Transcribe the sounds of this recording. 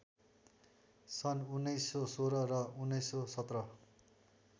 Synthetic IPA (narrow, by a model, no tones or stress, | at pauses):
sʌnunːʌjsːosoɾʌrʌunːʌjsːosʌt̪rʌ